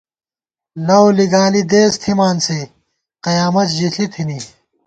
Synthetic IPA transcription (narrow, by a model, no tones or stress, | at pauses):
lɐwliɡaːlid̪eːst̪ʰimaːnse | qɐjaːmɐt̪ʑiɬit̪ʰini